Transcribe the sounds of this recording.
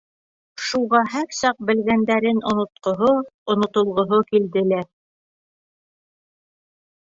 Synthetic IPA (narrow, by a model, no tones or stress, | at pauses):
ʃuʁɑɦæɾsɑq̚bɘ̆lɡænd̪æɾɘnŏnŏt̪̚qŏɦoŏnŏt̪ŏlˠʁŏɦokild̪ɘ̆læɾ